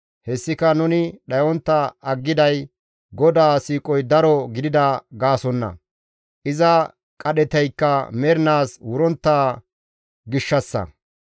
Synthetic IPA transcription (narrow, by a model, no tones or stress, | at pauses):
hɛsːɪkɐnʊnɪɗɐjɔnt̪ːɐɐɡːɪd̪ɐj | ɡɔd̪aːsiːkʼɔjd̪ɐɾɔɡɪd̪ɪd̪ɐɡaːsɔnːɐ̰ | ʔɪzɐ | kʼɐɗɛt̪ɛjkːɐmɛɾnaːswʊɾɔnt̪ːaː | ɡɪʃːɐsːɐ̰